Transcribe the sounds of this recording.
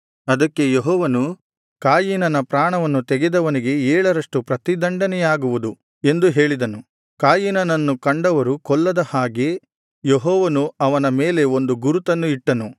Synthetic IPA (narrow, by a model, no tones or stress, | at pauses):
ɐd̪ɐkːe̞jeɦɔːʋɐnu | kaːjiːnɐnɐpɾaːɳɐʋɐnːut̪ɛɡed̪ɐʋɐniɡe̞ɛːɭɐɾɐʂʈupɾɐt̪id̪ɐɳɖɐnɛjaːɡuʋud̪u | e̞nd̪uɦe̞ːɭid̪ɐnu | kaːjinɐnɐnːukɐɳɖɐʋɐɾukɔɭːɐd̪ɐhaːɡe̞ | jeɦɔːʋɐnuɐʋɐnɐmeːle̞o̞nd̪uɡuɾut̪ɐnːuiʈːɐnu